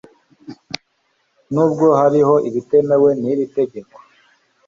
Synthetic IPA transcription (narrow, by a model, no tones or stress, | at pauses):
nuːbɡo̞haɾiɦo̞ʔiβite̞me̞we̞niβite̞ɟe̞kwo̥